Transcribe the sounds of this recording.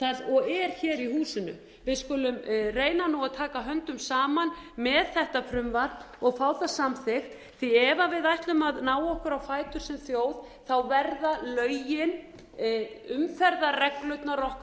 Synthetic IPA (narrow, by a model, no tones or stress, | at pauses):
θaɔɣɛɾ̥çɛːɾihuːsɪnʏ̰ | vɪðskʏlʏmreːjnanuaðt̪ʰaːkaɦœnt̪ʏmsaːmanmɛðθɛht̪apʰɾʏmvaɾ̥ | ɔɣfaːwθasamθɪxt̪ | θiɛvavɪðajht̪lʏmaðnaːwɔhkʏɾawfaːjt̪ʏɾ̥sɛmθjoːwð | θawvɛɾðalœːɥjɪn | ʏmfɛɾðarɛklœɥt̪narɔhk